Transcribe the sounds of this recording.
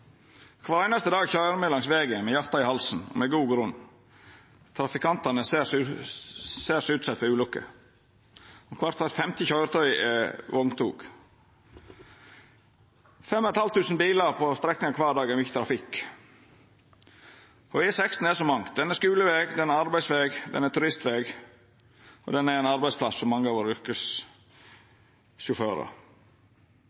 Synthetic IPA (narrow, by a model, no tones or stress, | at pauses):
kʰʋɑːɾæɪnɑst̪əd̪ɑːɡçœʏəɾmɛlɑŋsʋeːɡəmɛjɑɾt̪ɑɪhɑlsn̩ɔ̰mɛɡuːɡɾʉn | t̪ʰɾɑfɪkʰɑnt̪ɑnəss | seːsʉːt̪sɛt̪fɔɾʉːlʉkːə̰ | ɔkʰʋɑɾt̪ʰɑt̪fɛmt̪ɪçɑʏəɾt̪ʰœʏɛʋɔŋt̪ʰuːɡ̥ | fɛmːɔnɛt̪hɑlt̪ːʉːsnbiːləɾpʰɔst̪ɾɛknɪŋɑkʰʋɑːɖɑːɡɛɾmʏçət̪ɾɑfɪkː | ɔʋɪsɛkst̪n̩æsɔmɑŋ̚d̪ɛnæskʉːləʋeːɡd̪ɛnæɾɑɾbæɪsʋeːɡd̪ɛ̰næɾt̪ʉɾɪst̪ʋeːɡ | ɔ̰d̪ɛnæɾæɪnɑɾbæɪspʰlɑsfɔmːɑŋːəɑːʋoːɾʏɾkəs | ʃʊføːɾə̰